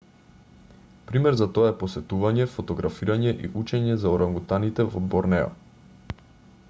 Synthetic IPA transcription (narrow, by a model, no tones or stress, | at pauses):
pɾimɛɾzat̪ɔaɛposɛt̪uvaɲɛfot̪ɔɡɾafiɾaɲɛʔḭʔut͡ʃɛɲɛzaɔɾaŋɡut̪anit̪ɛvɔbɔɾnɛɔ̰